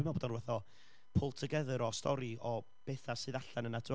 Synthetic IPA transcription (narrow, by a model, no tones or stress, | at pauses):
mabodɔnrvɛθɔ | pʰʊlˠtʰəɡəðəɾɔstɔɾiɔ | b̥eːθasɨːðaɬanənad